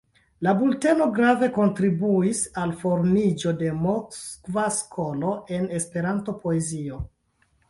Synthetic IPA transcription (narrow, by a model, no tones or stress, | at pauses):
labulte̞no̞ɡɾave̞ko̞ntɾibuisalfo̞ɾmid͡ʒo̞de̞moskvaskʰo̞lo̞ʔe̞ne̞spe̞ɾanto̞po̞e̞zio̞